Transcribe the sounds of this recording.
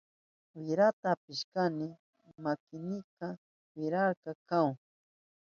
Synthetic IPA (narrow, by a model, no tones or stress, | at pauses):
wɪɾat̪aːpɪʃkanɪ | makɪnɪka | wɪɾaɾkɑkaw